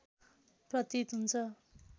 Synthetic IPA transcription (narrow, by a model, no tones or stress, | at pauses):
prʌt̪it̪ɦunt͡sʰʌ